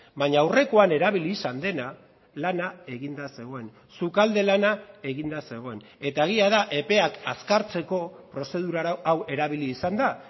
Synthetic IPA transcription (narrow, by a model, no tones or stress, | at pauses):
baɲaːwre̞ko̞ane̞ɾaβiliːsand̪e̞na | lanae̞ɣind̪ase̞ɣ̞o̞e̞n | sukald̪e̞lanae̞ɣind̪ase̞ɣ̞o̞e̞n | e̞t̪aeɣ̞iaðaʔe̞pe̞akaskaɾt͡se̞ko̞pɾo̞se̞ð̞uɾaawe̞ɾaβ̞iliːsand̪a